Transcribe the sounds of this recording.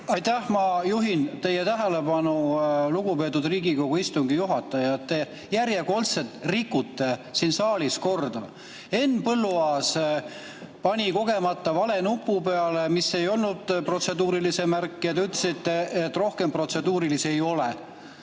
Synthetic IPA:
ɑjt̪æhmɑjuɦint̪e̞jet̪æɦele̞bɑnuluɡupe̞ːt̪ːˑud̪riːɡiko̞ɡ̥uist̪uŋɡijuɦɑt̪ːˑɑjɑet̪ːe̞ | jæɾjeko̞lt̪se̞t̪rikːut̪ːe̞sinsɑːlisko̞rd̪̥ɑ | e̞nːpɤlːuɑːs | pɑnʲiko̞ɡe̞mɑt̪ːɑvɑle̞nupːˑupe̞ɑle̞misːe̞jo̞lnud̪̥pro̞t̪se̞d̪uːɾilise̞mærkːijɑt̪ɑyt̪ːˑlesit̪ːeet̪ːˑro̞hke̞mpro̞t̪se̞d̪uːɾilise̞jo̞le

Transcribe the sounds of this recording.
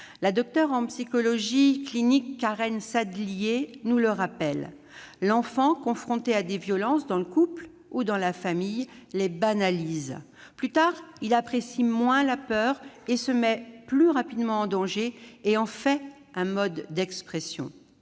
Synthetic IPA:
lad̪ɔk̚t̪œʁɑ̃psikɔlɔʒiklinikːaʁɛnsad̪lijenuləʁapɛlː | ɑ̃fɑ̃kɔ̃fχɔ̃t̪ead̪evjɔlɑ̃sd̪ɑ̃ləkupl | ud̪ɑ̃lafamij | lebanaliz | plyt̪aʁilapχesimwɛ̃lapœʁesəmɛplyʁapid̪mɑ̃ɑ̃d̪ɑ̃ʒeeɑ̃fɛ | ɛ̃mɔd̪ːɛkspχesjɔ̰̃

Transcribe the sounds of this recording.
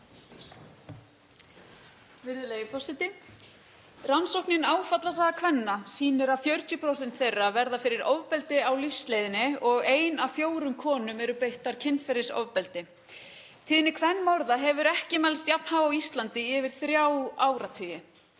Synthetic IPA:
vɪɾðɪlejɪfɔsɪt̪ɪ | ransɔwhpnɪnaːwfat̪las̬aðakʰvɛnːasiːnɪɾafjœɥɾ̥t̪ʰʏpʰɾowsɛnt̪θejrːavɛɾðafɪɾɪɾɔvpɛlt̪ɪawlifslejðɪnɪɔɣeːjnafjoːwɾʏmkʰɔːnʏmɛɾʏpejht̪aɾ̥cʰɪnfɛɾɪsɔ̰vpɛlt̪ɪ | t̪ʰiːðnɪkʰvɛnːmɔɾðaɦɛvʏɾɛhcɪmajlst̪japnhaːvaawist̪lant̪ɪɪvɪɾ̥θɾjaːwaːwɾat̪ʰʏːjɪ

